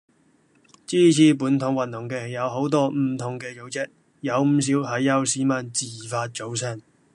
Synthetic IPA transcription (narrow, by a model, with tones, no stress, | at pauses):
t͡siː˥t͡sʰiː˨˥puː˨˥nt̪ʰʊ˨˥ŋwɐ˨nːʊ˨˩ŋkɛː˧˨˩jɐ˨˧wɦo˨˥wt̪ɔː˥m̩˨˩t̪ʰʊ˨ŋkɛː˧t͡ʃo˨˧wt͡sɛ˥k̚ | jɐ˨˧wm̩˨˧s̬iː˨˥whɐ˨˥jːɐ˨˧wsiː˨˥mɐ˨˩nt͡siː˨˩faː˧t̚t͡ʃo˨˥ws̬ɛː˥˩ŋ